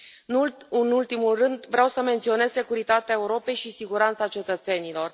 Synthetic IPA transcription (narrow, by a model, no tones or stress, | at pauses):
ɨnult̪imulrɨnd̪vɾeawsəment̪sio̞ne̞z̥se̞kuɾit̪at̪eae̞uɾo̞pe̞jʃisiɡuɾant̪sat͡ʃe̞t̪ət̪se̞nilo̞r